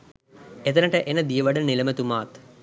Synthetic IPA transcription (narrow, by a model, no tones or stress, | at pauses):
et̪ənəʈəʔenəd̪ijəʋɐɖəniləmət̪umaːt̪